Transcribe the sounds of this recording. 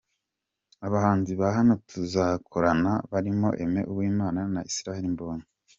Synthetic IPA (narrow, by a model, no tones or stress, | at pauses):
aβahaːnziβaɦanotʰuzakʰoɾanaβaɾimo̞̰ʔe̞me̞̰ʔubwiːmaːnanaʔisiɾaheɾimboːni